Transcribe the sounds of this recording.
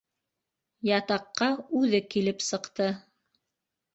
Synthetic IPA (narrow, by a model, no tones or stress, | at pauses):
jɑt̪ɑqːɑʉðɘkilɘpsɤ̆qt̪ɤ